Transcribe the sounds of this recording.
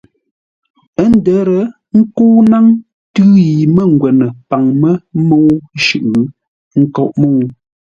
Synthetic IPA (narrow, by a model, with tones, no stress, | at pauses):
ə˦n˦də˨˦ɾə˨ | ŋ̩˦kuː˦na˦ŋ | tʉː˦ji˨mə˦ŋ̩˨ɡwɛ˨nə˨pa˨ŋmə˦mo˦wʃʉ˨ʔɯ˨ | ŋ̩˦kɔ˦˨ʔmo˦˨w